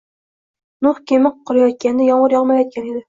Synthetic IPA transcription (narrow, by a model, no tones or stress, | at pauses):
nʊχkʲʰemɪq̚qʰːʊɾajɒt̪̚kʲand̪ajɒɴʁɨɾjɒʁmajɒt̪̚kʲʰane̞d̪ɪ